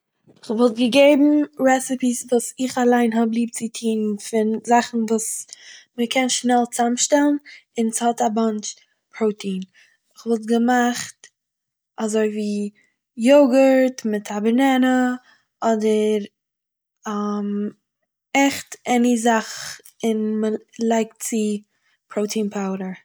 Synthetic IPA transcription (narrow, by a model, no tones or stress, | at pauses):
ɪχvɔlˠt̚ɡəɡeɪbm̩ɾɛsɪpisvuːsɪχalˠaɪnɦɔblˠiːp̚t͡sɪtʰiːnfɪnzaχn̩vuːsməkʰɛnʃnɛlˠt͡samʃtɛlˠn̩ɪnshɔtabɑnt͡ʃ | pʰɾoʊtʰiːn | ɪχvɔlˠt̬ɡəmaχt | azoɪviː | joɡəɾtmɪtʰabəɾnɛnə | ɔdəɾ | am | ɛχtɛnizaχ | ɪnməlˠaɪk̚t̚t͡sɪ | pʰɾoʊtʰiːnpʰaʊɾə